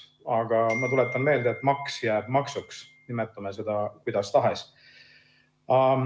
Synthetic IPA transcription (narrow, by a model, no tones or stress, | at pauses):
ɑɡ̥ɑmɑt̪ule̞t̪ːˑɑnme̞ːld̪eet̪ːˑmɑksjæːb̥mɑksuks | nimet̪ːˑumese̞d̪̥ɑkujd̪̥ɑst̪ɑɦes | ɑ